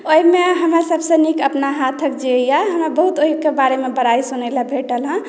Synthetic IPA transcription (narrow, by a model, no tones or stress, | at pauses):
oimeɦəmɾasəbʱsə̃nikəpnaɦat̪ʰək̚d͡ʒeəjjaɦəmɾabəɦut̪oɦikebaɾemebəɾaisunələbʱeʈəlɦə̃